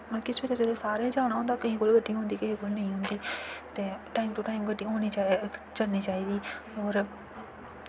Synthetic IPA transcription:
kɪseːɾeːd͡ʒəd̪eːsaːɾeːd͡ʒaːʊɽ̃aːɦõnd̪aːkəɦĩːkʊlɡəɖːiːɦʊ̃ːnd̪iːkəɦĩːkolnəĩːɦʊ̃nd̪iːt̪eːʈaːiːmʈʊʈaːimɡəɖːiːɦoːniːt͡ʃat͡ʃəɽniːt͡ʃaːiːd̪iːɔːɾ

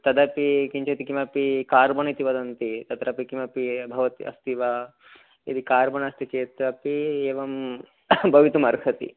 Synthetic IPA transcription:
t̪ɐd̪ɐpikiɲt͡ʃɐt̪ikimɐpikaːɾbɐɳit̪iʋɐd̪ɐnt̪it̪ɐt̪ɾɐpikimɐpibʱɐʋɐt̪ḭʔɐ̰st̪iʋɐ | ḭd̪ikaːɾbɐɳɐst̪it͡ʃeːt̪ɾɐpieːʋɐm | bʱɐʋit̪umɐɾkʰɐt̪ḭ

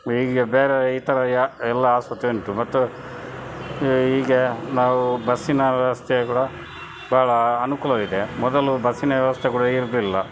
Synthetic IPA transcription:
iːɡebeːɾeiːt̪ɐɾɐɛlːɐaːsʋɐt̪eɳʈ̪umɐt̪ːu | iːɡenaːʋubɐsinɐʋjɐʋɐst̪ʰekuːɽɐ | baɦɐɭɐːnukuːlɐlid̪emɔd̪ɐlubɐsinɐʋjɐʋɐst̪ʰekuːɽɐiɾd̪lilːɐ

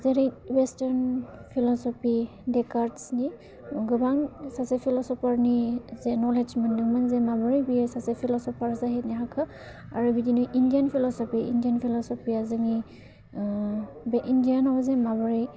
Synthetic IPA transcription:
zɛɾiwɛstaɹnpʰilɔsɔpʰi | dɛkaɹtsni | ɡɔbaŋsasɛpʰilɔsɔpʰaɹnizɛnɔled͡ʒmandumanzɛmabɔɹibisasɛpʰilɔsɔpʰaɹzaɦinɛɦakʰɔ | aɹubidinuʔindijanpʰilɔsɔpiḭndianpʰilɔsɔpijazami | bɛʔindijanawzɛmabɔɹi

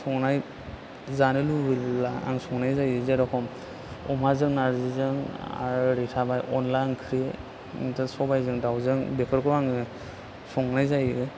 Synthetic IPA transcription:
sʰɔŋnaj | zanilublaa̰ŋsɔŋnajzajɯzɛɾɔkʰɔm | ɔmazɯŋnaɾzizɯŋa̰ɾɾitʰabajʔɔnlajnkʰɾi | ntɯsɔbajzɯŋdawzɯŋbɛkʰɔɾkɔaŋɯ | sɔŋnajzajɯ

